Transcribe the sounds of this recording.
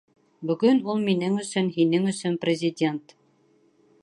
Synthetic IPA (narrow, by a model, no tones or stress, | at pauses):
bɵ̆ɡɵnulˠminɘŋɵ̆sɵnɦinɘŋɵ̆sɵnprʲɪzʲɪdʲe̞nt̪